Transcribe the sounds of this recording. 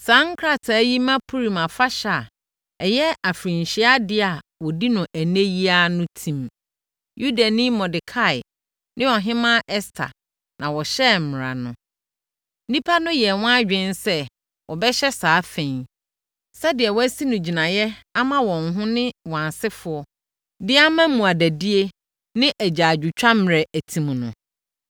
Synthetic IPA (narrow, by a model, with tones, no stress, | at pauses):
sãː˦ŋ̩˦kʰɾa˦˨tʰa˨˦ji˦mã˦pʰu˦ɾi˨mã˨fa˦ɕa˨ | ɛ˨jɛ˦a˨fɾĩ˨n˨ɕɪ˦a˦dɪ˦a˨wɔ˨di˦nʊ̃˨ʔæ˨ne˦ji˦a˦nʊ̃˦tʰĩ˨m | ju˦da˨nĩ˦mɔ̃˨dɪ˨kʰa˦˨ɪ˨ | nʔɪ̃˦wɔ˨ɦɪ̃˦mã˦ʔɛ˦stʰa̰˨ | nʔã˨wɔ˨ɕɛ˦˨m̩˨mɪ˨ɾa̰˨nʊ̃˨˦ | nĩ˦pʰa˦nʊ̃˦jɛ˨wɔ̃˦a˦d͡ʑᶣɪ̃˦nsɛ˦ | wʔɔ˨bɛ˦ɕɛ˦saː˨˦fẽ˨˦ | sɛ˦dɪ˨ɛ˨wɔ˦æ˦si˦nʊ̃˨d͡ʑi˨nã˨jɛ˦a˦mã˦wɔ̃˨ŋɦʊ̃˦nɪ̃˦wa˨nsɪ˦fʊ˨ɔ˦ | dɪ˦a˦mã˦mũ˨a˨dæ˨di˦e˦ | nɪ̃˦ʔæ˨d͡ʑaː˨d͡ʑᶣu˨t͡ɕᶣa˦m˨ɾɛ˨ʔæ˨tʰĩ˨mnʊ̃˨